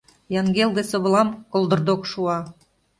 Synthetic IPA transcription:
jɑŋɡeld̪esoβɤ̆lɑmkolˠd̪ɤ̆rd̪okʃuɑ

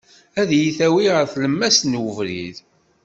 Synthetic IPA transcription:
æðjiθæwiʁəɾθləmːæsnwəvɾḭð

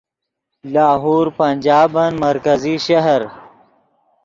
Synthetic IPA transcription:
laːɦuːɾpɐnʲd͡ʒaːbɐnmɐɾkɐziʃɐɦɐɾ

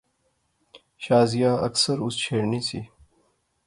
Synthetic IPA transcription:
ʃaːzijãːɐ̰ksəɾʊst͡ʃʰeːɾniːsiː

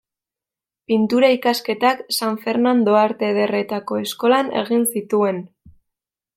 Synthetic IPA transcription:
pint̪uɾaikaske̞t̪aksaɱfe̞ɾnand̪o̞aɾt̪e̞ð̞e̞re̞t̪ako̞e̞sko̞lane̞̰ɣ̞insit̪ue̞n

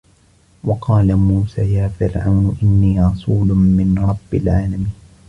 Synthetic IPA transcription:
wɑqɑːlamuːsaːjaːfɪɾʕa̰wnʊʔɪnːiːɾɑsˤuːlʊmɪnɾˤɑbːɪlʕaːlamiːn

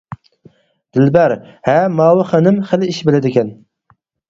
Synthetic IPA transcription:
d̪̥ɪlbæɾhæmɑːwɨχænɪmχəlɪiʃbɪlɪd̪ɪkʲɛn

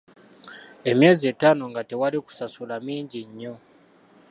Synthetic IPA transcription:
e̞mje̞ːzie̞ːtaːnoŋɡate̞waliku̥sasulamiːɲɟiɲːo̞

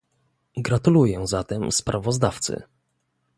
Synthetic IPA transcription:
ɡɾat̪ulujɛzat̪ɛmspɾʔavɔzd̪aft̪sɘ̰

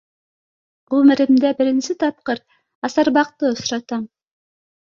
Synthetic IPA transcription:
umɘɾimd̪ebɪɾinsit̪ʰɑp̚qɤɾ | ɑsɑɾbɑq̚t̪ɯŏsɾɑt̪ɑm

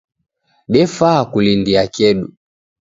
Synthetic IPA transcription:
ɗɛfakulindiakɛɗu

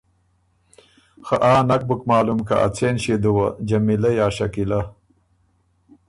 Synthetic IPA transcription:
xaʔaːnak̚bukmɑːlumka̰ʔa̰t͡seːnʃed̪uwɐd͡ʒɐmilɐjaːʃɐkila

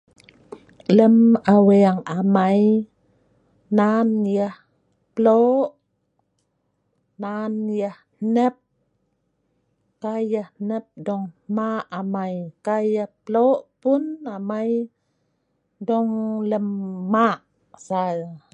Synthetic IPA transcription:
ləmaweaŋamaj | nanjah | plɔʔ | nanjah | nəp̚ | kajahnəp̚dɔŋmaʔamajkajahplɔʔpunamaj | dɔŋləmːaʔ | sa

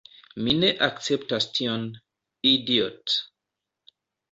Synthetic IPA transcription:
mineʔak̚t͡sep̚tastʰion | idiot

